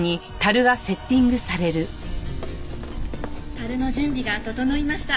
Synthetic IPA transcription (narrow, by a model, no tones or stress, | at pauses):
ɲ̟it̪aɾɯ̟ɡase̞t̪ʲːĩŋɡɯ̟saɾe̞ɾɯ̟ | t̪aɾɯ̟no̞ʑɨ̃mbʲiɡat̪o̞t̪o̞no̞imaɕi̥t̪a